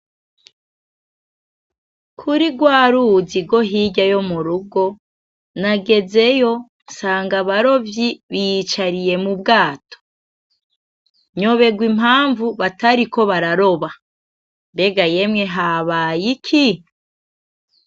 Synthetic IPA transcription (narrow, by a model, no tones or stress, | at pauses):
kʰuɾiɡwaːɾuziɡwo̞ɦiɟajo̞muɾuɡo̞ | naɡe̞ze̞jo̞ | nsaːŋɡaβaɾo̞vjiβijit͡ʃaɾije̞mubɡaːtʰo̥ | ɲo̞βe̞ɡwimhɦaːɱvuβataɾiko̞βaɾaɾo̞βa | mbe̞ɡaje̞mŋe̞ɦaβaːjikʰi